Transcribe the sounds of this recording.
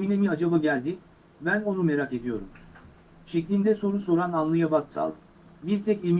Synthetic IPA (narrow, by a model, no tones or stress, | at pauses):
inemiad͡ʒabaɟælʲd̪i | bæno̞nume̞ɾake̞d̪ijo̞ɾum | ʃɛclʲind̪ɛso̞ɾunso̞ɾananlˠɯjabat̪sa̰lˠd̪ɯ | biɾt̪ʰɛcim